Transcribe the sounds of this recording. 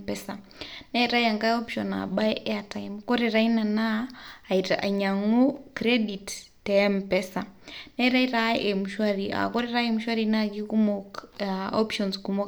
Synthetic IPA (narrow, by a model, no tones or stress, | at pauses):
pɛsa | naɾajaŋɡaɔpʃɔna̰bajɛataimkɔɾɛɾainanaːitaʔaɲaŋukɾɛditː | ampɛsanaɾaiɾaɛmuʃwaɾiʔa̰kɔɾiɾaɛmuʃwaɾinakikumɔ | ɔpʃɔnskumɔ